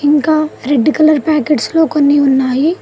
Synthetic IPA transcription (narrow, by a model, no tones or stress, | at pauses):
iŋkaːɾeɖːikɐlɐɾpaːkeɖslo̞ːkonːiunːaːji